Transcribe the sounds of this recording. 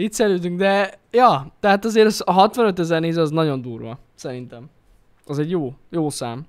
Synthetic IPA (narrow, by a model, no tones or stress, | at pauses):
iːt̪sɛɾyːt̪yŋɡd̪ɛjɒːt̪ɛɦaːt̪ɒzeːɾsɒɦɒt̪ʋɒnø̞t̪ɛzɛrneːzɒznɒɟo̞nd̪uːrʋɒ̰ | sɛɾint̪ɛm | ɒzɛɟjoːjoːsaːm